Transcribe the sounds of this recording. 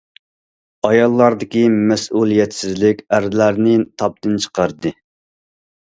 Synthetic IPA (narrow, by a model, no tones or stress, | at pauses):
ɑjɑlˠːɑɾd̪ɪkʲimɛsulˠijɛt̪sɪzlɪkʲæɾd̪ɪlæɾnɪt̪ʰɑp̚t̪ɨnt͡ʃʰə̥qɑɾɨd̪ɨ